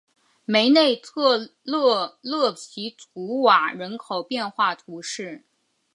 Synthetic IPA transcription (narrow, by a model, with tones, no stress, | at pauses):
me˧˥ɪne˥˧ɪt̪ʰɤ˥˧llɤ˥˩pʰi˧˥t͡su˧˥wa˨˩ɻə˧˥nkʰo˨˩ʊpjɛ˥˧nxwa˥˩t̪ʰu˧˥ʂɻ̩˥˩